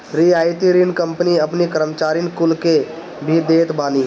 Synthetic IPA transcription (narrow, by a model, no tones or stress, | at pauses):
ɾiaːjt̪iɾinkə̃mpniəpnikəɾəmt͡ʃaːɾinkʊlke | bʱid̪eːt̪baːniː